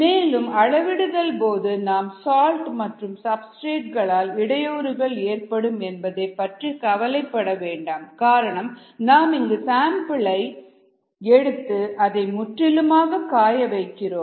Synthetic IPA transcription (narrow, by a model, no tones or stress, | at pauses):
meːlɯmɐɻɐʋɪɽɯðɐlpoːðɯnaːmsaːlʈmɐʈrɯmsɐbsʈeːʈ̚ɣɐɭaːlɪɽɐjoːɾɯɣɐɭeːrpɐɽɯmɛnbɐðeːpɐʈrikɐʋɐlɐɪpːɐɽɐʋeːɳɖaːmkaːɾɐɳɐm | naːmɪŋɡɯsaːmpɪɭɐɪ | ɛɽɯt̪ːɯʔɐðɐɪmʊʈrɪlɯmaːɣɐkaːjɐʋɐɪkːɪroːm